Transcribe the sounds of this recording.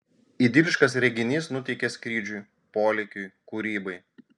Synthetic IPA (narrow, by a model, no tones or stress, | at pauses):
id̪ʲɪlʲɪʃkɐsɾʲɛɡʲɪnʲiːsnʊt̪ʲɛɪkʲɛskɾʲiːd͡ʒʲʊj | poːlʲɛkʲʊjkuːɾʲiːbɐɪ